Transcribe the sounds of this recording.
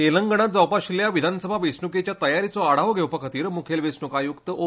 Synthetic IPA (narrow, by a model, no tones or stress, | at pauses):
eləŋɡəɽ̃at̪̚d͡zawpaɕiljaʋid̪ʱanəsəbʱaʋesnuket͡ɕjat̪əjaɾit͡soaɽ̤aʋɡʱewpəkʰat̪iːɾmukʰelʋesnukajukt̪əʔo